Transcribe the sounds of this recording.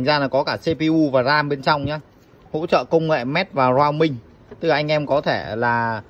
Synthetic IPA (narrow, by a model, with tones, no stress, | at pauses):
ŋzaː˧laː˨˩kɔ˨˦kaː˧˩se˧pi˧ʔu˧vaː˨˩zaː˧mɓe˧nt͡ɕa˧wŋ͡mɲaː˨˦ | ho̰˧˥t͡ɕə̰ː˧˨kə˧wŋ͡mŋḛ˧˨mɛ˦˥t̚vaː˨˩zwaː˧wmï˧ŋ̟ | t̪ɨ˨˩ʔa˧jŋ̟ʔɛ˧mkɔ˨˦t̪ʰe˧˩laː˨˩